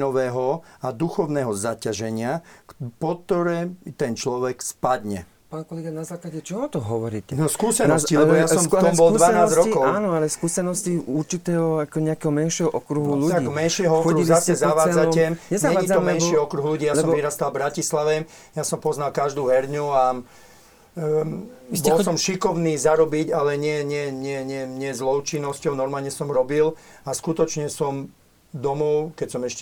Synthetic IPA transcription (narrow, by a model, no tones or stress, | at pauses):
nɔʋɛːɦɔad̪uxɔʊnɛːɦɔzacaʒɛɲɪakpɔt̪ːɔɾɛːt̪ɛnt͡ʃlɔʋɛkspad̪ɲɛ̰ | paːnkɔlɛɡanazaːklaɟɛt͡ʃɔɔt̪ɔɦɔʋɔɾḭːcɛnɔskuːsɛnɔscillɛbɔjasɔt̪ɔmbɔlud̪ʋanaːzsɾɔikɔaːnɔalɛskuːsɛnɔsciuɾt͡ʃit̪ɛːɦɔakɔɲɛakɛːɦɔmɛnʃɪɛɦɔʔɔkɾuɦuluaɡmɛnʃɪɛɦɔɔkɾuɦuzasɛzaʋaːd͡zaɛɲɛzɲaɛaːɲiɔmmɛnʃiɔkɾuɦluɟiːjalsɛɔmʋiɾast̪albɾacislaʋɛ | jasɔmpɔznalkaʒd̪uːɦɛɾɲua | bɔlsɔmʃikɔʊniːzaɾɔbiɟalɛɲɪɛɲɪɛɲɪɛɲɛɲɪɛzlɔʊt͡ʃinːɔscɔʊnɔɾmaːlɲɛsɔmɾɔbilaskut̪ɔt͡ʃɲɛsɔm | d̪ɔmɔʊkɛcsɔmɛʃcɛ